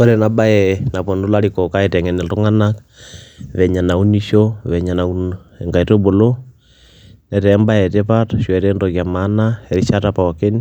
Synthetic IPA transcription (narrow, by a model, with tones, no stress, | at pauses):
ɔ˦ɾɛ˨naba˦jɛna˨pɔ˨ndu˦la˦likɔ˨ka˦ɛ˨tɛŋɛnɛ˨ltu˦ŋa˦nak | βɛ˨ɲa˨na˨u˦ni˦ʃoβɛɲa˨na˨u˦n | ɛŋɡa˨i˨to˦bo˨lo˦ | nɛ˨tɛmba˦ɛ˨tɛpataʃwɛɾɛndoɣja˨ma˦naɛ˨ɾiʃatapa˨ake˦ni